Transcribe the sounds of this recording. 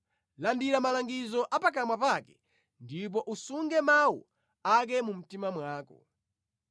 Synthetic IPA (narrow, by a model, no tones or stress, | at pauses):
landiɾamalaŋɡizɔʔapak̬amwapakɛ | ndip̬ɔʔusuŋɡɛmawṵ | ak̬ɛmum̩timamwaːkɔ̰